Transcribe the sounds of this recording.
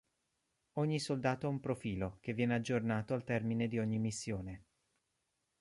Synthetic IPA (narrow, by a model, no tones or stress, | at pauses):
oɲːisold̪aːt̪oɛumpɾofiːlok̟evːjɛːnead͡ʒːornaːt̪oalt̪ɛrmined̪ioɲːimisːjoːne